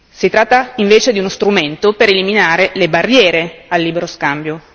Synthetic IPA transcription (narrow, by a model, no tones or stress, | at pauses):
sit̪ɾat̪ːaiɱveːt͡ʃed̪iunost̪ɾument̪opeɾeliminaːɾelebarːjɛːɾealːiːbeɾoskambjo